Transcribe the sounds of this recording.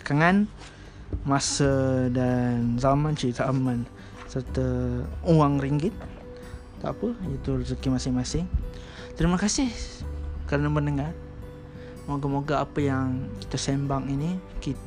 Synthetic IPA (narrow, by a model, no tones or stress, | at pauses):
ə̥kaŋan | masədanzamant͡ʃizalman | sərt̪əuaŋriŋɡɪt̪̚ | t̪a̰ʔpəjət̪urəzəkimasɪŋmasɪŋ | t̪əɾiməkasɪh | kaɾənəmənəŋar | moɡamoɡaapəjaŋki̥t̪asɛmbaŋinikit̪